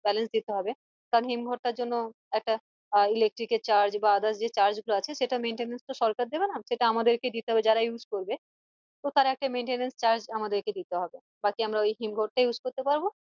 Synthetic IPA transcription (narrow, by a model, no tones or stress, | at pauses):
bɛlensd̪it̪eɦɔbe | k̪aɾonɦimɡʱɔʈʈaɾd͡ʑonːo | ɛk̚ʈa | ilek̚ʈɾiket͡ɕaɾd͡ʑbaad̪aʃd͡ʑet͡ɕaɾd͡ʑɡuloat͡ɕʰeʃeʈameɳʈenenst̪oʃɔɾkaɾd̪ebenaʃeʈaamad̪eɾked̪it̪eɦɔbed͡ʑaɾajud͡ʑkoɾbe | t̪ot̪aɾaɛk̚ʈameɳʈenenst͡ɕaɾd͡ʑamad̪eɾked̪it̪eɦɔbe | bakiamɾaojɦimɡʱɔʈ̚ʈajud͡ʑkoɾt̪epaɾbo